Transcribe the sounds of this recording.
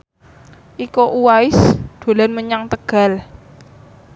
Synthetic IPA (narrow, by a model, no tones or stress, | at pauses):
ʔikoʔuwaɪsd̪̥o̤lanməɲaŋt̪əɡ̥a̤l